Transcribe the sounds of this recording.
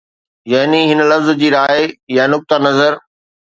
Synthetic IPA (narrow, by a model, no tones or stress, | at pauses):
jaɦniɦɪnlɐfzd͡ʑiːɾaːejãnʊk̚t̪anɐzəɾ